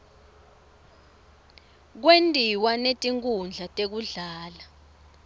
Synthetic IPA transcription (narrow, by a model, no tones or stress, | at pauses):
k̬wentʼiwanetʼiŋkʼund͡ɮʱatʼek̬uɮaːla